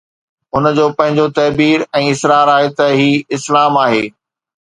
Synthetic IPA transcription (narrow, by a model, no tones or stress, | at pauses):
ɦʊnd͡ʑoːpɐ̃ɦɪ̃ɲd͡ʑot̪ɐːbiːɾɛ̃ːɪsɾaːɾaːɦet̪ɐɦiːɪslaːmaːɦḛː